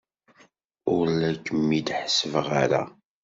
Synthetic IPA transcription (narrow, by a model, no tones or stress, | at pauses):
ʊɾlækːəmːid̪ħəsəvəʁaɾa̰